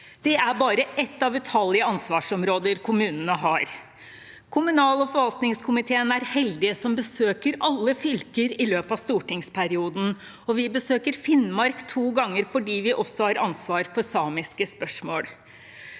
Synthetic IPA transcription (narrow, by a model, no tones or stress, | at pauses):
d̪̥ɛæɾbɑːɾəʔɛt̪ːɑʋɛt̪ʰɑlːɪəɑnsʋɑːʂɔmɾoːd̪əɾkʰʊmʉːnənəɦɑɾ | kʰʊmʉnɑːlɔfɔɾʋɑlt̪nɪŋskʰʊmɪt̪ʰeːənæɾhɛld̪ɪəsɔmbəsøːkəɾɑlːəfʏlkəɾɪløːpɑʋst̪uːʈɪŋspʰæɾɪuːd̪n̩ | ɔʋɪbəsøːkəɾfɪnmɑɾkt̪ʰuːɡɑŋːəɾfɔɖiːʋɪʔɔsɔhɑɾɑnsʋɑːɾfɔɾsɑːmɪskəspœʂmoːɽ